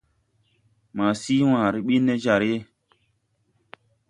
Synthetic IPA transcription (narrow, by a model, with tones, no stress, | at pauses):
ma˨siː˦wãː˨ɾi˦ɓi˦nːe˦d͡ʒa˨ɾe˦